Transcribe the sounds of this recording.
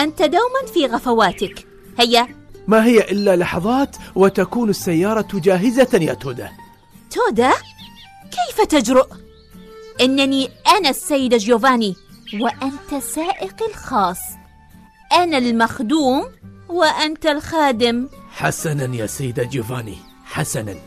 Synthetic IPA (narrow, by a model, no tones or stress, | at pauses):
ʔant̪ad̪awmanfiːɣafawaːt̪ɪk | hɪjːamaɦɪjːaʔɪlːalɑħɑðˤɑːt̪wɪt̪akuːnɪsːajːɑːɾˤɑd͡ʒaːɦɪzaja̰t̪oːd̪a̰ | t̪oːd̪a | keːfat̪ad͡ʒɾʊʔ | ʔɪnːaniʔanasːajːɪd̪ad͡ʒːuːvaːniwɪʔant̪asaːʔɪqɪlxɑːsˤː | ʔanalmaxd̪uːmwɪʔant̪alxaːd̪ɪmħasananja̰ːsajːɪd̪ad͡ʒuːvaːnḭ | ħasana̰n